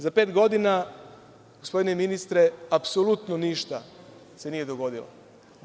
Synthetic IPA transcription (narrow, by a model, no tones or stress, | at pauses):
zapeːt̪ɡo̞d̪ina | ɡospo̞d̪ineminist̪ɾeapsolut̪noniʃt̪a | senije̞d̪o̞ɡo̞d̪ilo̰